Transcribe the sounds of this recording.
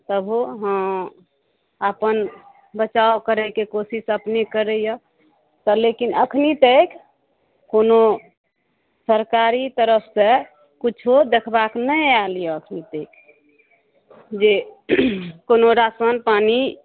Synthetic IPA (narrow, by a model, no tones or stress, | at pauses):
t̪əbʱuɦə̃ | apən | bət͡ʃaokəɾɛkekosisəpnekəɾəjɔ | t̪ɔlekinəkʰnit̪ek | kono | səɾkaɾit̪əɾəpʰse | kut͡ʃʰod̪ekʰbaknəjalijəəkʰnit̪eik | d͡ʒe | konoɾasənpani